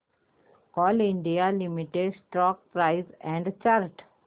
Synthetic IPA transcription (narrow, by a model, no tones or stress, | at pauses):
ɔːlɪ̃ɳɖialɪmiʈeɖsʈɾɔːk̚pɾaɪzɛ̃ɳɖt͡ʃaːɾʈ